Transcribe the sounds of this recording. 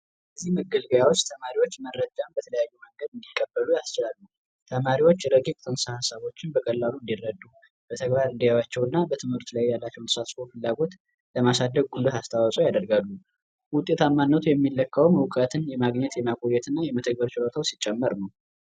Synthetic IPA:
əzːihməɡəlɡəjawot͡ʃːt̪ʰəmaɾiwo̞t͡ʃːməɾːəd͡ʒambət̪ʰələjajːuməŋɡəd̪ɨnd̪ikʼːəbːəlujast͡ʃɪlalːuw | t̪ʰəmaɾiwo̞t͡ʃːɾəɡikʼt̪ʰənsahasaβo̞t͡ʃːɪnbəkʼəlːaluɨnd̪irːəd̪ːu | b̥ət̪ʰəɡbaɾɨnd̪ijawat͡ʃːɛwnːabət̪ʰɨmhɨɾt̪lajːalːat͡ʃːɛwnt̪ɨ̥sat̪sofɨlːaɡo̞t̪ | ləmasad̪ːəɡ̚ɡulduast̪ʰawɔsʼojad̪əɾɡalːu | wʊt̪ʼːe̞t̪ʰamːanːət̪ʰujɛmːilːəkʰːəwmɨwkʼət̪ʰɨnjɛmaɡɲɛt̪jɛmakʼojːɛt̪ʰɨnːajɛmət̪ʰəɡ̚bəɾt͡ʃɪlot̪ʰawsit͡ʃʼːɛmːəɾnəw

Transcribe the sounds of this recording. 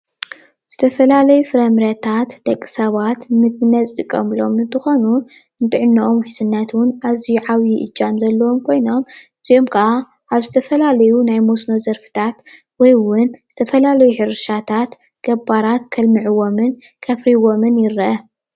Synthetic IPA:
z̥ɨt̪ʰɐfɐlalɐjufɨɾɐmɾɐt̪ʰat̪d̪̥ɐkʼːi̥sɐβat̪mɨɡɨnːɐt͡sʼt̪ʼɨkʼːɐmlo̞̰mɨnt̪ʰɨxonu | ɨnt̪ʰɨʕɨnːɐʔomħɨsɨnːat̪wʊnʔazijuʕawjiʔɨ̰d͡ʒamzɐlːɐwomkʰo̞jno̞mʔɨz̥io̞mkʰɐʔa | ʔaβzɨt̪ʰɐfɐlalɐjunajmosno̞zɐɾfɨ̥t̪ʰat̪ | wɔjwʊnz̥ɨt̪ʰɐfɐlalɐjuħɨɾɨʃat̪ʰat̪ | ɡ̥ɐbaɾat̪kʰɐlmɨʕɨwomɨn | kʰɐfɾiwomɨnjɪɾɐʔɐ

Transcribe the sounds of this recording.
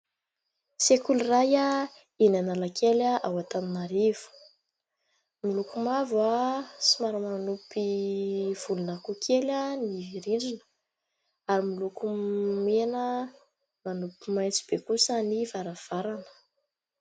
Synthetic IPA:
sekuliraja | inanalakʰelaʔawat̪aninaɾiv̥u̥ | milukumavasimaɾamanupi | v̥ulunakukʰelaniviɾiɳɖ͡ʐinə̥ | aɾimilukumenə | manupimajnt͡si̥b̥ekusanivaɾav̥aɾanə̥

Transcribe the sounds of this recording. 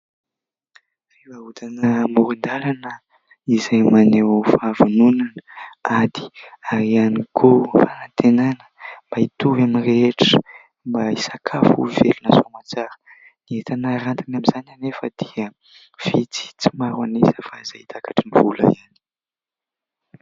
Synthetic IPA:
revaut̪anəmuɾund̪alanə | izajmanewfavununanəad̪̥i̥aɾianikʰofanant̪enanə̥mbait̪uvaminreeʈ͡ʂə̥ | mbaisakʰafṵvelunasomat͡saɾə̥ | niet̪anaɾant̪inaminzananefəd̪iə | v̥it͡si̥t͡simaɾuanezəfaiz̥ait̪akaʈ͡ʂiniv̥ulə̰iani̥

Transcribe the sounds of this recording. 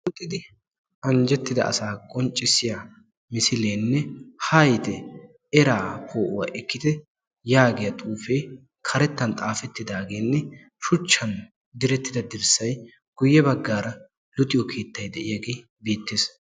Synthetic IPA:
lʊt̪ʼːɪd̪ɪ | ɐnd͡ʒɛt̪ːɪd̪ɐ̰ʔɐ̰saːkʼɔnt͡ʃʼːɪsɪja | mɪsɪleːnːɛhɐjt̪ɛ | ɛɾaːkʰoːʔʊwa̰ːʔɛkːɪd̪ɛ | jaːɡɛjɐt̪ʼuːfe̞ː | kʰɐɾɛt̪ːɐnt̪ʼaːfɛt̪ːɪd̪aːɡeːnːɛ | ʃʊt͡ʃːɐn | d̪ɪɾɛt̪ːɪd̪ɐd̪ɪɾsɐj | ɡ̥ʊjːɛbɐɡːaːɾɐ | lʊt̪ʼɪjɔkʰe̞ːt̪ːɐjd̪ɛʔɪjaɡe̞ː | beːt̪ːeːs

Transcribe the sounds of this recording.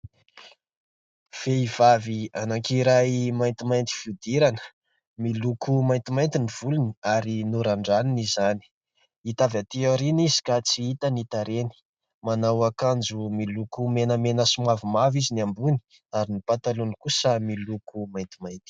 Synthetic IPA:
v̥eiv̥avianaŋkiɾajmajnt̪imajnt̪i̥fiud̪iɾanə̥ | milukumajnt̪imajnt̪iniv̥uluniaɾinuɾaɳɖ͡ʐaninizani̥ | it̪avat̪iaɾinizi̥kat͡siit̪ənit̪aɾeni̥ | manawakand͡zumilukumenəmenəsumavimaviziniambuni̥ | aɾinipat̪alunikusəmilukumajnt̪imajnt̪i̥

